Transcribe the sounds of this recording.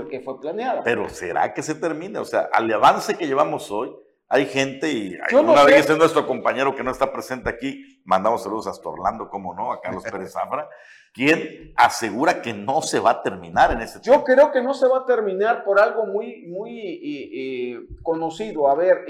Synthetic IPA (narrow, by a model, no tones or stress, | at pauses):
lkefweplanjaðope̞ɾo̞̰se̞̰ɾa̰ke̞se̞t̪e̞ɾmĩneose̞a̰ʔa̰laβanse̞ke̞ʝe̞βamo̞so̞j | ajxe̞nt̪e̞ia̰jounaβeesenwest̪ɾoko̞mpaɲe̞ɾo̞kenoest̪apɾe̞se̞nt̪eaki | mãnd̪amo̞sːaluð̞osast̪ao̰ɾland̪o̞ko̞mono̞aka̰ɾlo̞speɾesafɾa | kje̞nase̞ɣuɾake̞no̞se̞βat̪e̞ɾmĩnaɾene̞sed͡ʒokɾeoke̞no̞se̞βat̪e̞ɾmĩnaɾpo̞ɾalɣo̞mujmuje | ko̞nosiðoaβeɾ